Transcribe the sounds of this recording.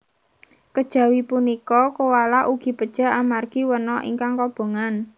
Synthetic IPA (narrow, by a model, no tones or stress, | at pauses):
kəd̥ʒ̥ä̤wipunikɔkuwalaʔuɡ̥i̤pəd̥ʒ̥a̤amarɡ̥iwənɔʔḭŋkaŋkɔb̥o̤ŋan